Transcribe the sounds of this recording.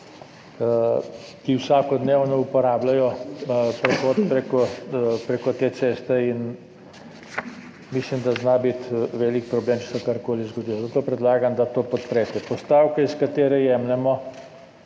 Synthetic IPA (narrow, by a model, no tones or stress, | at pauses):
kiwsaːkɔd̪neːwnɔupɔɾaːblajɔpɾɛxot̪pɾekɔpɾekɔt̪eːt̪seːst̪ɛin | mislimd̪aznabit̪ʋeːlikpɾɔbleːmt͡ʃɛ̥sɛkaɾkoːlizɡɔd̪iːlɔzat̪oːpɾɛd̪laːɡamd̪at̪oːpɔt̪pɾɛːt̪ɛpɔst̪aːwkɛiskat̪eːɾɛjɛːmnɛmɔ